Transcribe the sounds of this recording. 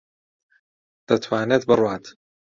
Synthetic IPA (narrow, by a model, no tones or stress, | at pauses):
d̪̥ɐt̪ʰwaːneːt̪̚bɨrwaːt̪